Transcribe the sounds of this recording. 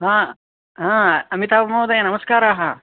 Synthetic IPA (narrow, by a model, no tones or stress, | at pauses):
ɦãː | ɦãːɐmit̪aːbɐmoːd̪ɐjanɐmɐskaːɾaːɦɐ